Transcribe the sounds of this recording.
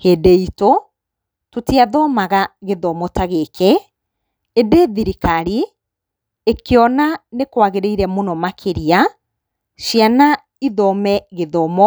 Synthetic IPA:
hedeito | totiaðɔmaɣaɣeðɔmɔtaɣekɛ | edeðiɾikaɾi | ekeɔnanekwaɣeɾeiɾɛmonɔmakʰeɾia | ʃjana | iðɔmɛɣeðɔmɔ

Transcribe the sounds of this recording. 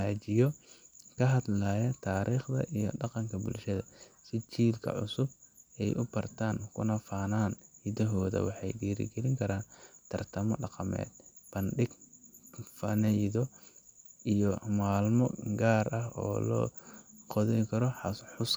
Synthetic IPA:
aːt͡ʃɪjɔkʰɐɦɐd̪laːjɐt̪ʰaːɾiːχd̪ɐ̰ʔijɔ̰ɖɑqɑŋkʰɐbʊ̰lʃɐðɐsɪt͡ʃiːlkʰɐ̰ʕʊ̰sʊbɛjʔʊbɐrt̪ʰaːŋkʰʊnɐfaːnaːnhɪd̪ɐɦɔːðɐ̰wɑħɑjɖiːɾɪ̰ɡɛlɪŋkʰɐɾaːnt̪ʰɐrt̪ʰɐmɔ̰ɖɑqɑmɛ̰ːd̪̥b̥ɐnɖɪɡ | fɐnɛjðɔ | ʔijɔmaːlmɔɡaːrɐɦɔ̰ːlɔ̰ːqɔðɛjkʰɐɾɔħħʊs

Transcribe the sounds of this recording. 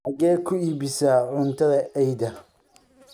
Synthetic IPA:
ɐɣɛːkʰʊiːβɪsaʕʊnt̪ʰɐðɐʔɛjd̪ɐ

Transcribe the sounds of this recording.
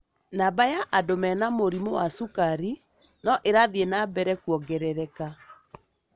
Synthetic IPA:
nabajaʔadomɛnamoɾimowasukaɾi | nɔʔeɾaðienabɛɾɛkwɔɡɛɾɛɾɛka

